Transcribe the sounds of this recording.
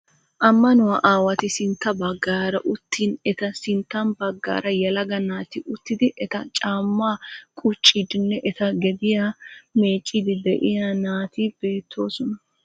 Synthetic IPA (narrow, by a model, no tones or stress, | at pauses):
ʔɐmːɐnʊwaʔaːwɐt̪ɪsɪnt̪ːɐbɐɡːaːɾɐʔʊt̪ːiːnɛt̪ɐsɪnt̪ːɐnbɐɡːa̰ːɾɐjɐlɐɡɐnaːt̪ɪʔʊt̪ːɪd̪ɪʔɛt̪ɐt͡ʃʼaːmːaːkʼʊt͡ʃʼːɪd̪ɪnːɛʔɛt̪ɐɡɛd̪ɪjaːmeːt͡ʃʼːɪd̪ɪd̪ɛʔɪjanaːt̪ib̥e̞ːt̪ʰːo̞ːsɔnɐ